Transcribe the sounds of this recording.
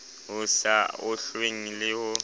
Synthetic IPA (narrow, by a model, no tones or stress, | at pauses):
ɦʊsaʊɬweŋ̩lɪhʊ